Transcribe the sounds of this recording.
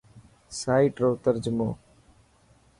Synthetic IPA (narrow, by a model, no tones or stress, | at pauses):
saːiːʈɾoːt̪əɾd͡ʒʊmoː